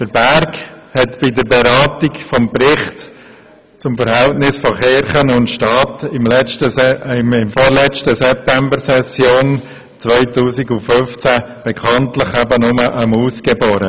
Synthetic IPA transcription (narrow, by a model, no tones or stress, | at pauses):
d̥əɾbæɾkhɛtb̥ɪdəɾbɛɾɑːtikfɔmpɾɪχt | t͡sʊmfəɾhɛltnɪsfɔχɪɾχənʊntʃtɑːtɪmlɛt͡ʃtəɪmɪmfɔːɾlɛt͡ʃtəsɛp̚tɛmbəɾsɛsjoːn | t͡sʋœʏtuːsiɡʊnfʏft͡sæb̥ɛkʰɑntləχæbənʊməʔəmuːskɛboːɾə